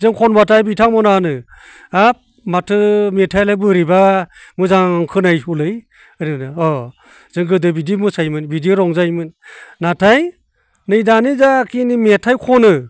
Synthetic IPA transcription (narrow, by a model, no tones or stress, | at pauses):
zɯŋkʰɔnbatʰajbitʰaŋmɔnanɯ | ap̚ | matʰɯmetʰajlɯbɯɾibamɯzaŋkʰɯnajɦulɯj | ɯnɯnɯɔ | z̥ɯŋɡɯdɯbidimusajmɯnbidiɾɔŋzajmɯnːatʰaj | nɯjdanizakʰinimetʰajkʰɔnɯ